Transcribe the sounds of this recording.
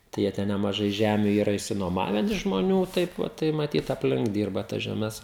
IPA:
tɐɪ ˈjiɛ tʲɛn nʲɛmɐˈʒɐɪ ˈʒʲæmʲʊ ˈiːrɐ ɪʃʲsʲɪnuɔˈmɑːʋʲɛn ɪʃ ʒmoːˈnʲuː ˈtɐɪp ʋɐt tɐɪ mɐˈtʲiːt ɐpʲˈlʲɪŋk ˈdʲiːrbɐ tɐs ʒʲɛˈmʲɛs

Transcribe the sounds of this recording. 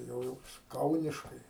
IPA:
tɐɪ ˈjɛʊ ˈjɪs ˈkɐʊnʲɪʃkɐɪ

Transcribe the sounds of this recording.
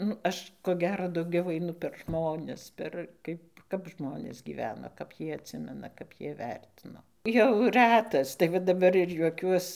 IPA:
ˈnʊ ˈɐʃ koː ˈɡʲæːroː dɐʊˈɡʲɛʊ ɐɪˈnʊ pʲɛr ˈʒmoːnʲɛs pʲɛr ˈkɐɪp ˈkɐp ˈʒmoːnʲeːs ɡʲiːˈʋʲæːnoː kɐp ˈjiɛ ɐtʲˈsʲɪmʲɛnɐ kɐp ˈjiɛ ˈʋʲɛrʲtʲɪnoː jɛʊ ˈrʲætɐs tɐɪ ˈʋɐ dɐˈbɐr ɪr juɔˈkʲuɔs

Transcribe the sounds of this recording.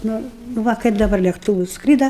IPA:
ˈnʊ nʊ ˈʋɐ kɐɪp dɐˈbɐr lʲeːkˈtuːʋʊs ˈskrʲiːdɐ

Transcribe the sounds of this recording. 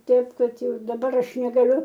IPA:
ˈtʲɛɪp ˈkɐt ˈjɛʊ dɐˈbɐr ˈɐʃ nʲɛɡɐˈlʲʊ

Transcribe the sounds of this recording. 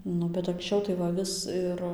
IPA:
ˈnʊ bʲɛt ɐŋksʲˈt͡ʃʲɛʊ tɐɪ ʋɐ ˈʋʲɪs ɪr

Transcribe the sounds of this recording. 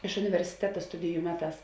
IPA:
ɪʃ ʊnʲɪʋʲɛrʲsʲɪˈtʲæːtɐ ˈstʊdʲɪjʊ ˈmʲæːˌtɑːs

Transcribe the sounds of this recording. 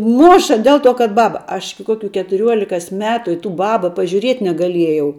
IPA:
ˈmoːʃɐ ˈdʲeːlˠ ˌtoː kɐt ˈbɑːbɐ ɐʃ ɪkʲɪ ˈkoːkʲʊ kʲɛtʊˈrʲuɔlʲɪkoːs ˈmʲæːtʊ ɪ tuː ˈbɑːbɐ pɐʒʲuːˈrʲiɛtʲ nʲɛɡɐˈlʲiɛjɛʊ

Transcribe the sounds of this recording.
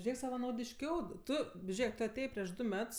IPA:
ˈʒʲeːk sɐʋɐnɐʊdʲɪʃʲˈkʲɛʊ ˈtʊ ˈʒʲeːk ˈtʊ ɐˈtʲeːjeː pʲrʲiɛʃ ˈdʊ ˈmʲɛts

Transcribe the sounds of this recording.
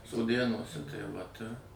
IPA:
soːˈdʲeːnuɔsʲɛ tɐɪ ʋɐt ɪr

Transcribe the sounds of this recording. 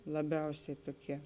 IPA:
lˠɐˈbʲɛʊsʲɛɪ ˈtoːˌkʲiɛ

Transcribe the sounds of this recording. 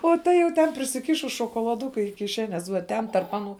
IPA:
oː ˈtɐ jɛʊ ˈtʲɛn pʲrʲɪsʲɪˈkʲɪʃʊs ʃoːkoːlˠɐˈdʊkʊ ɪ kʲɪˈʃʲæːnʲɛs ʋuɔ ˈtʲɛn tɐrp ˈɑːˌnuː

